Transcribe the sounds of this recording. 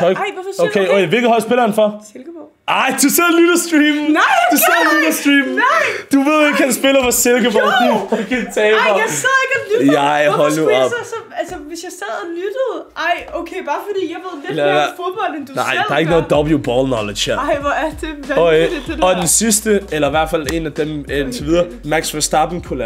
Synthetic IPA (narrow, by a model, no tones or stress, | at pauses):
ɔɡɪɔokʰeokʰeʋelɡəhɒ̽lsb̥elɐn̩fɒselɡ̥əb̥ɔ | ʔɑɪd̥usɛð̰ˠlydɐsd̥ʁiːmd̥usɛð̰ˠludɐsd̥ʁiːmɪd̥uʋe̝ðˠjikʰænsb̥eləfɒselɡəbɔlkʰiikænt͡sʰɛːsæð̰ˠeɡ̥ɐljaɪɦɔlduɔsɒælsəʋe̝sjäɪsæð̰ˠɐlyd̥əð̩ˠʔɑ̈ɪoʊkʰeɪb̥ɑ̈ːfɒd̥ḭːjäɪʋe̝ð̰ˠdefob̥ɒl̰end̥unaɪ̰dɑ̈ɐe̝ɡ̥noːð̩ˠd̥ɒb̥ljub̥ɒ̰ːlˠnɒled̥hæɐɪʋæɐd̥e | ɒ̽d̥ensisd̥əelɐiʋæɐd̥fæle̝næd̥emeent͡sʰeʋiðˠɐː | mæɡ̥sʋæsd̥ɑ̈b̥n̩kʰulæ